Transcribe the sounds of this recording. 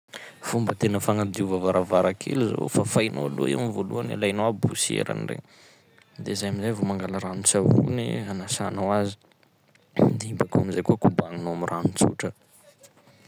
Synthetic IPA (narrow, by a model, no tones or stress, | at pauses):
fumbət̪enəfaŋad̪iuvavaɾavaɾakʰḛlizo̰fafajno̰aloiamivoluana̰lajnowabusiḛɾa̰nirḛ | d̪ezajamizajvomaŋɡalaɾanit͡saṵnḭanasanawazi̥ | d̪eibakuamizajkuakubaŋinoamirʔanit͡sṵʈ͡ʂə